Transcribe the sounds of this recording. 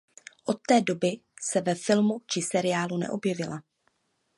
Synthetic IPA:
ʔo̞t̪ːɛːdo̞bɪsɛvɛfɪlmut͡ʃɪsɛɾɪjaːlunɛ̰ʔo̞bjɛvɪla

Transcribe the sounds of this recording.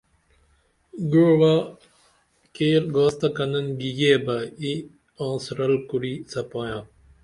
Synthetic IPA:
ɡuɾwa | keːɾɡoːst̪ɐkɐnɐnɡijeːbɐi | ɔ̃ːsɾɐlkuɾiːsɐpoːjãː

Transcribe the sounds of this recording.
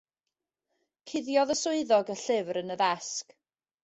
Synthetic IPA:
kʰɪðjɔðəsʊɨðɔɡəɬɪvrənəðɛsk

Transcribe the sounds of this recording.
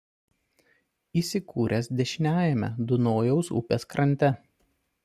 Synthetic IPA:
iːsʲɪkʰuːɾʲɛsd̪ʲɛʃʲnʲæːjɛmʲɛ̰d̪ʊnoːjɛʊsʊ̰pʲeːskɾɐnʲt̪ʲɛ

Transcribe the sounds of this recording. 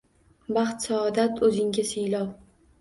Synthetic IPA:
bɑχt̪saɒd̪at̪ʰɵzɪŋɡʲaselɒw

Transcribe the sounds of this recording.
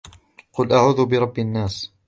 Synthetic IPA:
qʊlʔaʕuðʊbɪɾˤɑbːianːaːs

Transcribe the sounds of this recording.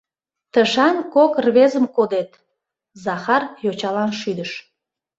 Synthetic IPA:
t̪əʃɑnkokrβezəmkod̪et̪ | zɑxɑrjot͡ɕɑlɑnʃyd̪əʃ

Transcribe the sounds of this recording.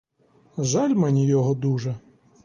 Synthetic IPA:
ʒɑlʲmɛnʲijɔɦɔd̪uʒɛ

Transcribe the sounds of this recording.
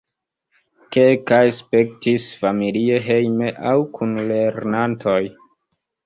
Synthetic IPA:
kelkajspe̞k̚tisfamilieɦe̞jme̞ʔawkʰunle̞ɾnantʰo̞j

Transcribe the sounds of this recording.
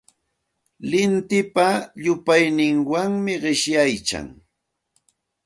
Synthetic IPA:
lɪnt̪ɪpaʎʊpajnɪŋwaŋmɪɢɪʃjajt͡ʃa̰ŋ

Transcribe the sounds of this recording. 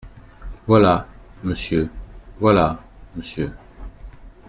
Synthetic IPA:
valaməsjəvwalaməsjə

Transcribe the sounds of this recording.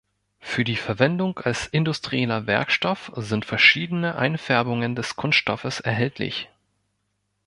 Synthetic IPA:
fyːɐdiːfɛɐvɛndʊŋalsʔɪndʊstʁ̥iɛlɐvɛ̰ɐkʃtɔfzɪntfɛɐʃiːdənəʔa̰ɪnfɛɐbʊŋəndɛskʰʊnstʃtɔfəsɛɐɦɛltʰlɪ̰ç

